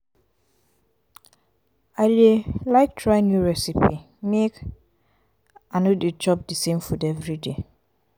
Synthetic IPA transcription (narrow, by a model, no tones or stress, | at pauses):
aɪdelaɪk̚tʰɹaɪnjuɹɛsipi | mek | anoded͡ʒɔp̚disẽmfudɛvɹide